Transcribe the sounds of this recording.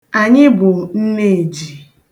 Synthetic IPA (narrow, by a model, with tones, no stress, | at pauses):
a˨ɲɪ˦bʊ˨n̩˦ne˦˨d͡ʒi˨